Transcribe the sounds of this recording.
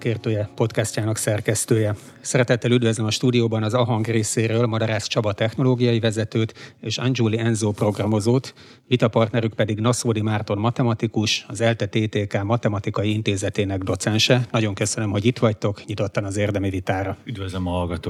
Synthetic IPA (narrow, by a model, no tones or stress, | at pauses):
keːrt̪øːjɛpo̞t̪kɛscaːnɒksɛrkɛst̪øːjɛ | sɛɾɛt̪ɛt̪ːɛlyd̪vøzlɛmɒʃt̪uːd̪ijoːbɒnɒzɒɦɒŋɡreːseːɾøːlmɒd̪ɒɾaːst͡ʃɒbɒt̪ːɛxno̞loːɡijɒjivɛzɛt̪øːt̪eːʃɒnd͡ʒuliɛnzoːpro̞ɡrɒmo̞zoːt̪ | ʋit̪ɒpɒrt̪nɛɾykpɛd̪iɡnɒsoːd̪imaːrt̪o̞nmɒt̪ɛmɒt̪ikuʃɒzɛlt̪ɛt̪eːt̪eːkaːmɒt̪ɛmɒt̪ikɒjiint̪eːzɛt̪eːnɛɡd̪o̞t̪sɛnʃɛnɒɟo̞ŋkø̞sø̞nø̞mɦo̞ɟit̪ʋɒct̪o̞kɲit̪o̞t̪ːɒnɒzeːrd̪ɛmivit̪aːɾɒyd̪vøzlɛmɒɦɒlɡɒt̪oː